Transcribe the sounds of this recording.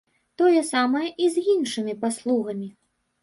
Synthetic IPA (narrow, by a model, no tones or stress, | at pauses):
t̪ɔjɛsamɐjɐʔizʲinʂɨmʲipaslˠuɣɐmʲi